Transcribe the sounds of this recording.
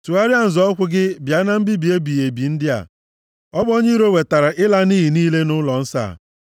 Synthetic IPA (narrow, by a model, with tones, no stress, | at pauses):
su˨a˦ɾja˦n̩˨zɔ˦kʷʊ˦ɡɪ˦bja˨˦na˦m̩˦bi˦bi˨e˦bi˨je˨bi˨n̩˦dɪ˦a̰˨ | ɔ˦bo˦ɲe˦ɾo˦we˨ta˨ɾa˨ʔɪ˦la˦niː˦ɦi˨niː˦le˦nʊ˦lɔ˨n̩˦sa̰ː˦˨